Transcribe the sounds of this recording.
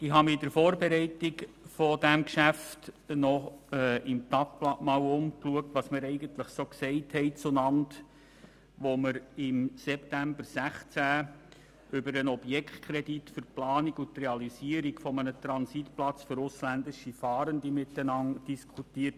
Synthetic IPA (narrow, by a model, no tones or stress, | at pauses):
d̥iɦɑmɪdəɾfoːrbɛɾɛɪtik | fɔdæmkʃæftnɔɛʔɪmt̪ɑk̚plɑʔmɑːwʊmkluək̚tʋɑsmɪɾɛɪɡəntləχsoːksɛɪthɛɪt͡sʊnɑnt | ʋoməɾɪmsɛptæmbəɾsæχt͡sæː | ʏbəɾənɔb̥jɛkχt̪kʰɾeditfʏɾplɑːniɡʊtrɛɑlisiəɾikfɔmənət̪ɾɑnsitplɑt͡sføɾʊslændɪʃifɑːɾəndimɪtːənɑnd̥iskʰutiːət